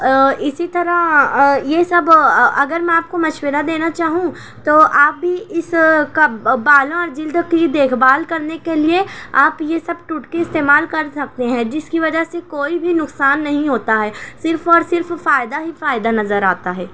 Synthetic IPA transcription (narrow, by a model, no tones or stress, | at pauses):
ɪsit̪ɐɾaɦjesɐbɐɡəɾmɛ̃aːp̚komɐʃwəɾad̪eːnat͡ʃaːɦũ | t̪oːʔaːp̚bʱiʔɪskabaːlõɔːɾd͡ʒɪld̪ʱkid̪eːkʰbaːlkɐɾnekelieaːpjesɐb̚ʈuʈkeɪst̪eːmaːlkɐɾsɐk̚t̪eɦɛ̃d͡ʒɪskiʋɐd͡ʒəsekoːibʱinʊksaːnːɐɦĩɦoːt̪aɦɛːsɪɾfɔːɾsɪɾffaːɪd̪aɦifaːɪd̪anɐzəɾaːt̪aɦɛː